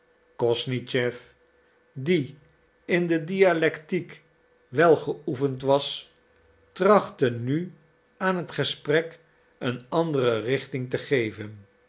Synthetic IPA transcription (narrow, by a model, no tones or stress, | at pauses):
kɔsnit͡ʃɛf | di | ɪndədialɛktik | ʋɛlˠχəufəntʋɑs | trɑχtəny | aːnɦətχəsprɛk | ənɑndərərɪχtɪŋtəχejvən